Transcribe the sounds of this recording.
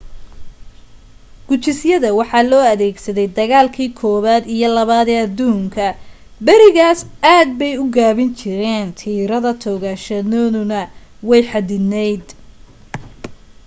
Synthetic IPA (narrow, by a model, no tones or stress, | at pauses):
ɡ̥ʊt͡ʃɪsjɐðɐwɑħɑːlɔːɐðɛːɡsɐðɛjd̪ɐɣaːlkʰiːkʰɔːβaːd̪ijɞlɐβaːðɛɐd̪uːŋkʰɐ | bɐɾɪɣaːsaːd̪̚bɛjʊɡaːβɪnt͡ʃʰɪɾɛːnt̪ʰiːɾɐðɐt̪ʰɔːɣaʃɐnɔːnʊnɐwɛjħɑd̪ɪnɛjd̪